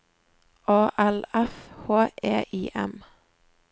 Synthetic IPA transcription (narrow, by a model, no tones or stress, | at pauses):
ʔɑːʔælɛfhoːʔeːʔiːʔɛ̰m